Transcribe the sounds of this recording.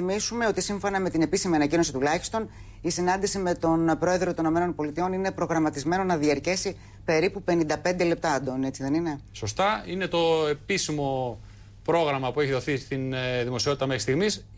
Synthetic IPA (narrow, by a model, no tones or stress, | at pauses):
imisume̞o̞t̪isiɱfo̞nɐme̞t̪ine̞pisimiɐnɐcino̞sit̪ulɐçi̥st̪o̞n | isinɐnd̪isime̞t̪o̞npɾo̞e̞ðɾot̪onino̞me̞no̞npo̞lit̪io̞nine̞pɾo̞ɣɾɐmɐt̪izme̞no̞nɐðiɐɾce̞si | pe̞ɾipupe̞nind̪ɐpe̞nd̪e̞le̞p̚t̪ɐɐd̪o̞nie̞t͡siðe̞nine̞so̞st̪ɐine̞t̪o̞e̞pisimo̞ | pɾo̞ɣɾɐmɐpueçiðoθist̪inðimo̞sio̞t̪it̪ɐmexɾist̪iɣmis